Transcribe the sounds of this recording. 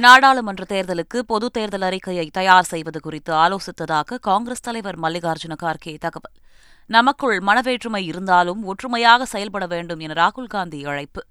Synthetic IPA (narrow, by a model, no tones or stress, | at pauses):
naːɽaːɭɯmɛndrɐt̪eːɾðɐlɯkːɯpɔðɯt̪eːɾðɐlɐɾɪkːɐjɐɪt̪ːɐjaːɾsɛjʋɐðɯkʊrɪt̪ːɯaːloːsɪt̪ːɐðaːɣɐkaːŋɡɾɐst̪ɐlɐɪʋɐɾmɐlːɪɣaːɾd͡ʒɯnɐkaːɾkɪjɐɪt̪ːɐɣɐʋɐl | nɐmɐkːɯɭmɐnɐʋeːʈrɯmɐɪɪɾɯnd̪aːlɯmɔʈrɯmɐjaːɣɐsɛjɐlpɐɽɐʋeːɳɖɯmɛnɐɾaːɣɯlɡaːnd̪iɐɻɐɪpːɯ